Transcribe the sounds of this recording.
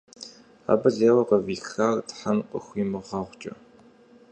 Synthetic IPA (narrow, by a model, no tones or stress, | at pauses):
a̰ːbɐɮeːwɐqɐviːxaːrtħanqʼə̰xʷiːmɨʁɑːʁʷt͡ʃʼɐ̰